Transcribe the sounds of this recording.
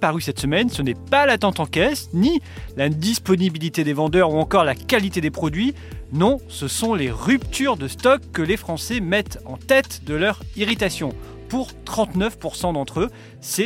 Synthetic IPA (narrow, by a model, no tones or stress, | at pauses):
paʁysɛt̪səmɛnsənɛpalat̪ɑ̃t̪ɑ̃kɛsnilad̪ispɔnibilit̪ed̪evɑ̃d̪œʁuɑ̃kɔʁlakalit̪ed̪epχɔd̪ɥi | nɔ̃səsɔ̃leʁypt̪yʁd̪əst̪ɔkːəlefχɑ̃sɛmɛt̪ɑ̰̃t̪ɛt̪d̪əlœʁiʁit̪asjɔ̃ | puʁt̪χɑ̃t̪nœfpuʁsɑ̃d̪ɑ̃t̪χø | sɛ